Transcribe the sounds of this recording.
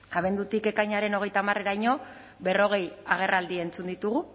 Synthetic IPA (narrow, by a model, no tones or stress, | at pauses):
aβe̞nd̪ut̪ike̞kajɲaɾe̞no̞ɣe̞jt̪amare̞ɾajɲo̞ | be̞ro̞ɣ̞e̞jaɣ̞e̞rald̪ie̞nt͡sund̪it̪uɣu